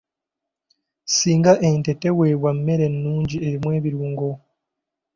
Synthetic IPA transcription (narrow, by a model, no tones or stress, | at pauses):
siːŋɡaʔentete̞weːβwamme̞ɾe̞nːuːɲɟie̞ɾimwe̞ːβiɾuːŋɡo